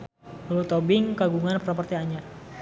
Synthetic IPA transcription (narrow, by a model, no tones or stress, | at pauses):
ulut̪obɪŋkaɡuŋanpəɾapɔrt̪iaɲar